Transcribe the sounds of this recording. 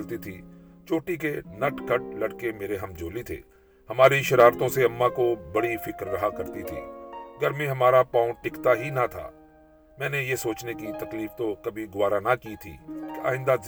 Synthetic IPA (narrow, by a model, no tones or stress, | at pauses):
lt̪it̪ʰḭːt͡ʃoːʈik̬enɐʈkɐʈ̚lɐɽkemeːɾeɦɐmd͡ʒoːlit̪ʰḛː | hɐmaːɾiʃɐɾaːɾt̪õseɐmːãkobɐɽifɪkɾːɐɦakɐɾt̪it̪ʰḭːɐɡəɾmẽɦɐmaːɾapãːʊ̃ʈɪkt̪aɦinat̪ʰa̰ː | mɛ̃ːnejesoːt͡ʃnekit̪ɐkliːft̪okɐbʱiɡʊaːɾanakit̪ʰḭːkea̰ːɪ̃nd̪az